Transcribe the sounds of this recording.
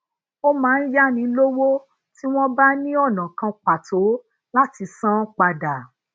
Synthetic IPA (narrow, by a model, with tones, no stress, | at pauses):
o˦mãː˨˦n̩˦ja˦˨nĩ˧˦lo˦wo˦ | ti˦w̃ɔ̃˦ba˦nĩ˦ɔ˦˨nã˨kã˧k͡pa˨tʰo˨˦ | la˦ti˧sã˦k͡pa˧da˨